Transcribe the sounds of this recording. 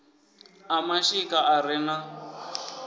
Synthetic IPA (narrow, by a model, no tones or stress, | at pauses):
amaʃikaʔaɾɪna